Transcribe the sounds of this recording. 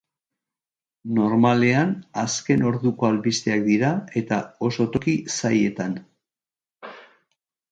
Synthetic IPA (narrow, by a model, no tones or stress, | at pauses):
no̞ɾmale̞anaske̞no̞ɾðuko̞alβist̪eak̚d̪iɾae̞t̪ao̞so̞t̪o̞kisaje̞t̪an